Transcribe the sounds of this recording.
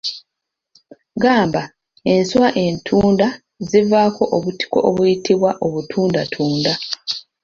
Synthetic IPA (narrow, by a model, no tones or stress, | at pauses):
ɡaːmba | e̞nswaʔe̞ntʰuːnda | zivaːko̞ʔoβuti̥ko̞̰ʔoβujitʰiβwaʔoβutʰuːndatʰuːnda